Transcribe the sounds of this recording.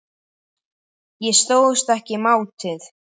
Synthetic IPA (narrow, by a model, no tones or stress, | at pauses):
jɛst̪oːwðʏst̪ɛhcɪmaːwt̪ɪθ